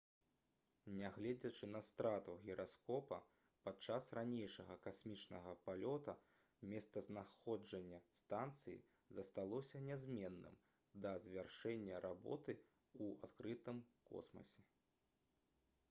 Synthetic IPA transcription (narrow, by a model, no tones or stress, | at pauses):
nʲɛɣlʲɛd͡zʲɐt͡ʂɨnɐst̪ɾat̪uɣʲɛɾʔaskɔpɐ̰ | pat͡ʂasranʲejʂɐɣɐkasʲmʲit͡ʂnɐɣɐpalʲɔt̪ɐ | mʲɛst̪ɐznaxɔd͡ʐɐnʲːɐst̪ant̪sɨjḭ | zɐst̪alˠɔsʲɐnʲɛzʲmʲɛnːɨ̰m | d̪ɐzʲvʲarʂɛnʲːɐɾʔabɔ̰t̪ɨ | ua̰t̪kɾɨt̪ɨmkɔ̰smɐ̰sʲɛ